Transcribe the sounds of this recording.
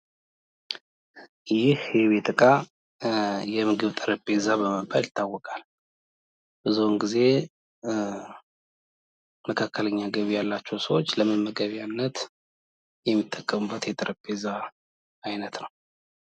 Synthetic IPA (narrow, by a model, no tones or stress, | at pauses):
jɪhɛβet̪ʼɨkʼa | jɛmɨɡɨβt̪ʼɨɾəpʼːezabəməbʼalɪt̪ʰːawːɔkʼal | bɨzuwnɡize̞ | məkʰakːələɲːaɡəβijalːat͡ʃːɛwsəwo̞t͡ʃːləmɨnməɡəβjanːət̪ | jɛmːit̪ʼːəkʼːəmubːət̪jɛt̪ʼɨɾəpʼːezaː | jnət̪nəw